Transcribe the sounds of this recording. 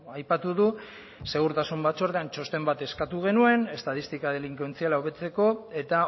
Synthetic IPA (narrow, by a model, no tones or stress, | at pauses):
ajpat̪uðu | se̞ɣ̞uɾt̪asumbat̪t͡so̞ɾðeant͡ʃo̞st̪e̞mbat̪e̞skat̪uɣe̞nue̞ne̞st̪aðist̪ikaðeliŋkwent͡sialauβe̞t͡se̞ko̞e̞t̪a